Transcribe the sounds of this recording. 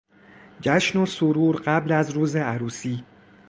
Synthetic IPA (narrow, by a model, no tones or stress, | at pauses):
d͡ʒæʃnosoɾuːɾɢæblæzɾuːze̞æɾuːsiː